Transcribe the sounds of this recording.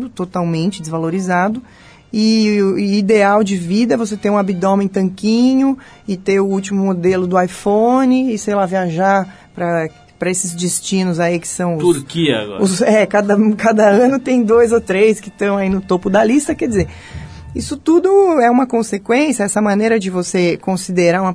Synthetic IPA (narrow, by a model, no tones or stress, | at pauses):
d̪ʊt̪ot̪awmẽnt͡ʃɪd͡ʒ̪ɪzvaloɾizad̪ʊ | ɪ | id̪eawd͡ʒɪvid̪ɐvos̬et̪ẽɾũabid̪õmẽt̪ɐ̃ŋkĩɲʊ | ɪt̪eʊut͡ʃimʊmod̪elʊd̪ʊajfõnɪːsejlaviaʒaɾ | pɾɐ | pɾɐesɪzd͡ʒɪst͡ʃĩnʊzaikɪ̥sɐ̃w̃ʊuɾkiɐ̰ɡɔ̰ʊsɛkad̪ɐkad̪ɐɐ̃nʊt̪ẽj̃d̪ojzot̪ɾeskɪt̪ɐ̃w̃ainʊt̪opʊd̪ɐlist̪ɐkɛd͡ʒɪzeɾ | isʊt̪ud̪ʊɛũmɐkõsekwẽsjɐɛsɐmɐ̃neɾɐd͡ʒɪvosekõsid̪eɾaũmɐ